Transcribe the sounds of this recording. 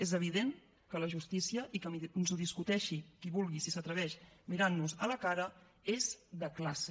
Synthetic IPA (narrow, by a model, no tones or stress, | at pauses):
ezəβ̞iðen | kələʒust̪isiəʔikənzuð̞iskut̪ɛʃikiβulˠɣisisət̪ɾəβ̞ɛʃmiɾanːuzələkaɾə | ezðəklase̥